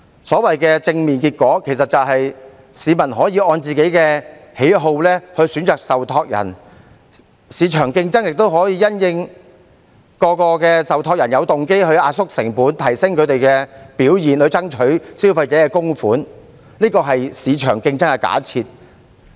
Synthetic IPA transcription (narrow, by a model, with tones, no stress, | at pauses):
sɔː˨˥wɐ˨jkɛː˧t͡sɪ˧ŋmiː˨nkiː˧t̚kʷɔː˨˥kʰe˨˩jsɐ˨t̚t͡sɐ˨wɦɐ˨j | siː˨˧mɐ˨˩nɦɔː˨˥jiː˧ʔɔː˧nt͡siː˨˩ke˨˥jkɛː˧he˨˥jɦo˧wlɛː˥hɵ˧ɥsyː˨˥nt͡ʃœː˨k̚sɐ˨wt̪ʰɔː˧k̚jɐ̰˨˩n | siː˨˧t͡ʃʰœː˨˩ŋkɪ˧ŋt͡sɐ˥ŋjɪ˨k̚t̪o˥wɦɔː˨˥jiː˨˧jɐ˥njɪ˧ŋ | kɔː˧kɔː˧kɛː˧sɐ˨wt̪ʰɔː˧k̚jɐ˨˩njɐ˨˧wt̪ʊ˨ŋke˥jhɵ˧ɥaː˧sʊ˥k̚sɪ̰˨˩ŋpuː˨˥nt̪ʰɐ˨˩jsɪ˥ŋkʰɵ˨˧t̪e˨jkɛː˧piː˨˥wjiː˨nhɵ˨˧t͡sɐ˥ŋt͡ʃʰɵ˨˥ɥsi˥wfɐ˧jt͡sɛː˨˥kɛː˧kʊ˥ŋfuː˨˥n | liː˥kɔː˧ɦɐ˨jsiː˨˧t͡ʃʰœ̰ː˨˩ŋkɪ˧ŋt͡sɐ˥ŋkɛ˧ka̰ː˨˥t͡sʰiː˧t̚